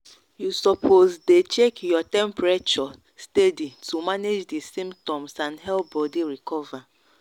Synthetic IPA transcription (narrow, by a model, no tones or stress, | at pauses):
jusɔpʰozdet͡ʃekjɔtɛ̃mpɹet͡ʃɔ | steditʰumaned͡ʒdisĩmptɔ̃msãndɦɛlbɔdiɹikɔva